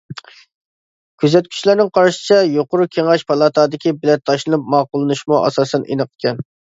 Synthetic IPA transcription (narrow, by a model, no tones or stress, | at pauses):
kʲʰøzɛt̪kʲʰy̥t͡ʃlæɾnɪŋqʰɑɾʃɪ̥t͡ʃʰɛjoqʊɾʊkʲʰeŋɑʃpʰɑlˠɑt̪ʰɑːd̪ɪkʲibɪlɛt̪ʰːɑʃlˠɨnup̚mɑːqʊlˠɨnuʃmuʔɑ̰sɑːsɛnʔḛnəqə̥kʲʰɛn